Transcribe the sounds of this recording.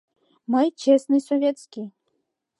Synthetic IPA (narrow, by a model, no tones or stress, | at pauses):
mɨjt͡ɕɛsnɨjsɔvʲɛt̪skʲij